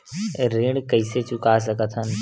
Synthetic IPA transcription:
ɾeːɽkəiset͡ʃʊkas̬əkət̪ʰɦən

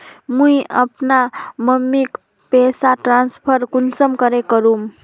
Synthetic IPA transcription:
mũjəpnaməmːik | pɛsaʈɾanspʰəɾkunsəmkəɾekəɾum

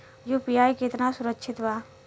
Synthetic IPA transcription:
d͡ʒopijaːjket̪ɾnasʊɾəkːʃʰɪt̪ʋa

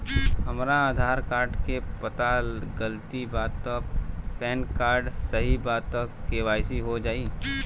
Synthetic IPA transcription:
ɦɐmɾaaːd̪ʱaːɾkaːɾɖkepət̪alɡəlt̪ibaːt̪ːəpɛːnkaːɾɖsəɦibaːtt̪ːəkkeʋaːjsiɦod͡ʒaːi

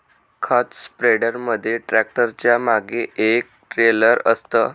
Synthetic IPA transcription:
kʰat̪spɾeɽəɾməd̪ʱːjeʈɾæk̚ʈəɾt͡ɕjamaɡeʔek̚ʈɾeləɾəst̪əː

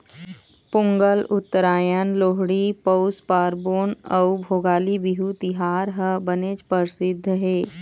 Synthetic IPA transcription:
pʊ̃ŋɡəlʊt̪ːəɾaːjənloːɦɽipəʊspaːɾboːnəubʱoːɡaːlibiɦut̪ɪɦaːɾɦəbənet͡ʃpəɾsɪd̪ʱːɦeː

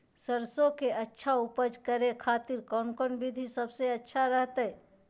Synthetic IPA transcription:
səɾsõkeʔətːʃʰaupəd͡ʒkəɾekʰaːt̪iɾkɔːnkɔːnbid̪ʱisəbseɐtːʃʰaɾəɦt̪əɛ

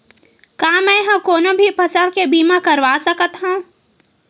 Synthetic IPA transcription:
kaːmɛ̃ːɦɐ̃mkoːnõbʱipɐsəlkebiːmakɐɾʋaːsəkət̪ɦũː

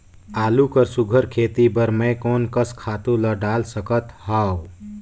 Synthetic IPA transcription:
aːlukəɾsuɡʱəɾkʰeːt̪ibəɾmẽkoːnkəskʰaːt̪ũləɖaːlsəkət̪haw

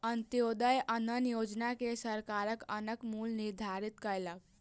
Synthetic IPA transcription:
ənt̪jod̪əjʔənənjoːd͡ʒnakesəɾkaɾəkənəkmulniɾd̪ʱaɾit̪kəɾlək̚

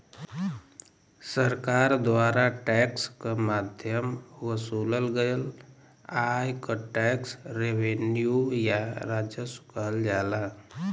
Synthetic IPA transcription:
səɾkaɾd̪waɾaʈɛkskəmad̪ʱjəmʋəsuləlɡəjəl | ajkəʈɛksɾeʋenjujaɾad͡ʒjəsu̥kəɦəld͡ʒala

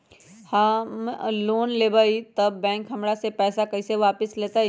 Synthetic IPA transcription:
hamloːnleːbaːit̪ɐbːɛ̃ːŋkɦɐmɽasepɛːsakɐseʋaːpɪsleːt̪a

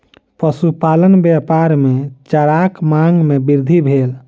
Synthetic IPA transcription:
pəsupalənbjapaɾmet͡ʃəɾakmaŋɡmebiɾd̪ʱibʱel

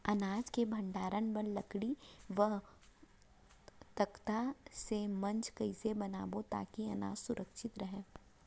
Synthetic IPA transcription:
ɐnaːd͡ʒkebʱɐ̃ɳɖaːɾənbɐnlɐkɽiʋəɦ | t̪ɐkt̪asemɐ̃nt͡ʃkɐɪsebɐna̰ːbot̪a̰ːkiɐna̰ːd͡ʒsʊɾʔəkʃɪt̪ɾɐɦẽː

